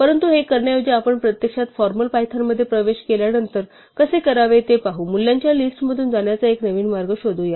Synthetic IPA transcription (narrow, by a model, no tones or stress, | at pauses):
pəɾənt̪uɦekəɾɳjajod͡ʑeapəɳpɾət̪jəkʂat̪fɔɾməlpajt̪ʰamːəd̪ʱːjepɾəʋeɕkeljanənt̪əɾ | kəsekəɾaʋet̪epaɦuːmulːjaɲt͡ɕjalisʈm̤əd̪ʱuːnd͡zaɳjat͡saeknəʋiːnmaɾɡəɕod̪ʱuja